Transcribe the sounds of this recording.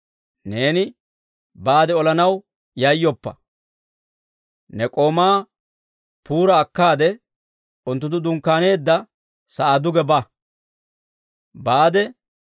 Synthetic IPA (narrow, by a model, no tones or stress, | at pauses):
ne̞ːnɪ | baːd̪ɛɔlɐnɐw | jɐjːɔpːɐ̰ | nɛkʼo̞ːmaː | puːɾɐːkːaːd̪ɛ | ʊnt̪ːʊt̪ːʊd̪ʊŋkːaːne̞ːd̪ːɐ | sɐʔad̪ʊɡɛba | baːd̪ɛ